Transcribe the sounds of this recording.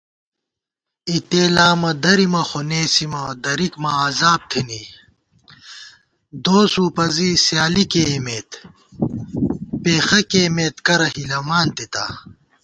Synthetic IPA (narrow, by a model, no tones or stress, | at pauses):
it̪eːlaːmɐd̪ɐɾimɐxoneːsimɐd̪ɐɾikmɐazaːb̚t̪ʰiniː | d̪oːsuːpɐziːsjaːlikeːmeːt̪ | peːxɐkeːmeːt̪kɐɾɐhilɐmaːnt̪it̪a̰ː